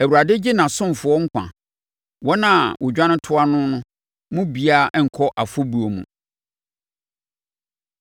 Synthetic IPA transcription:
æ˨wu˨ɾa˨dɪ˦d͡ʑɪ˦nã˨sʊ̃˦m˨fʊ˨˦ɔ˦ŋ̩˦kʰʷã̰˨ | wɔ˦nã˦˨wʊ˨d͡ʑᶣã˦nɪ̃˦tʰʊ˦a˦nʊ̃˦nʊ̃˦ | mʊ̃˦bi˨˦a˦˨˦ɛ˦ŋ̩˨kʰɔ˦ʔa˨fʊ˦bu˨o˨mṵ̃˨

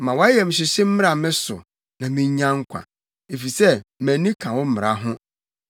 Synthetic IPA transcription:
mã˨wa˦a˦jɛ˨m̩˨ɕ̬ɪ˨ɕɪ˦m̩˦mɪ̃˦a˨mɪ̃˦sʊ̰˨ | nã˨mɪ̃˦ɲ˦ã˦ŋ̩˦kʷʰã̰˨ | e˨fi˨sɛ˦mæ̃˨nĩ˦kʰã˨wɔ˦m̩˦mɪ̃˨ɾa˨˦ɦʊ̃˦

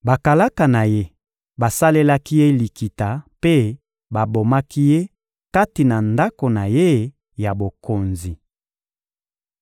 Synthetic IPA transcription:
ba˨ka˨la˦ka˨na˨je˦ | ba˨sa˦le˦la˦ki˦je˦li˨ki˨ta˨pe˦ | ba˨bo˨ma˦ki˦je˦ | ka˦ti˨na˨nda˦ko˨na˨je˦ | ja˨bo˨ko˨nzi˨

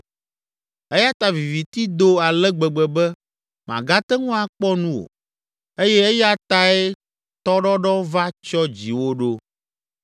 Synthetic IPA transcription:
ɛ˦ja˦t̪a˨vi˨vi˨t̪i˦d̪o˦a˨lɛ˦ɡ͡bɛ˨ɡ͡bɛ˨bɛ˦ | mã̰˨ɡa˦t̪ɛ˦ŋũ˦a˨k͡pɔ˦nũ˦wo̰˨ | e˦jɛ˦e˦ja˦t̪a˨ɛ˦ | t̪ɔ˦ɖɔ˦ɖɔ˦va˦t͡ʃɔ˦d͡ʑi˨wo˦ɖo˦

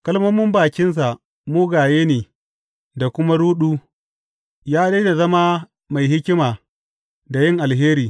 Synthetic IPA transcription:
kɐ˦lmɐ˦mːʊ˦mbaː˨kʲɪ˦ns̬a˨ | mʊː˦ɡaː˨jeː˦neː˨ | da˨kʷʊ˦ma˦ɽuː˦ɗuː˦ | jaː˦de˦da˨zɐ˦ma˦ | ma˨jhɪ˦kʲɪ˦maː˨ | da˨jɪ˦ŋʔa˨lɦeː˦ɾiː˨

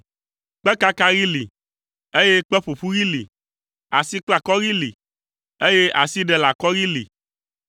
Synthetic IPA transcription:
k͡pɛ˦ka˦ka˦ɣi˦lḭ˨ | e˦je˦k͡pɛ˦ɸo˨ɸu˦ɣi˦li˨ | a˨si˦k͡pla˨kɔ˦ɣi˦li˨ | e˦je˦ʔa˨si˦ɖɛ˦la˨kɔ˦ɣi˦lḭ˨

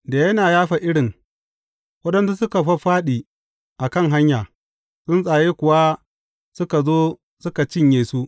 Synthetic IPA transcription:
da˨jɐ˦naː˨jaː˦ɸa˨ʔɪ˦ɽɪ˨ŋ | wɐ˦ɗɐ˦nsu˦sʊ˦ka˨ɸɐ˦ɸaː˦ɗiː˨ | ʔa˨kɐ˦ŋɦa˦ɲjaː˨ | sʊ˦nsʼaː˨jeː˦kʷʊ˨wa˦ | sʊ˦ka˨zoː˦ | sʊ˦ka˨t͡ʃɪ˦ɲjeː˨su˦ʔ

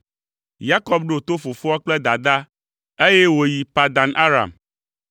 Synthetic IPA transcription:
ja˦kɔ˦b̚ɖo˨t̪o˦fo˨fo˦a˦k͡plɛ˦d̪a˨d̪a˦ | e˦jɛ˦wo˨ji˨pa˨d̪a˨nʔa˦ɾa̰˨m

